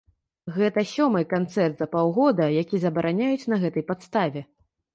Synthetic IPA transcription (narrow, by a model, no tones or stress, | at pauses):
ɣɛt̪ɐsʲɔmɨkant̪sɛrt̪zɐpawɣɔd̪ɐjakʲizɐbɐɾʔanʲajut͡sʲnɐɣɛt̪ɐjpat̪st̪avʲɛ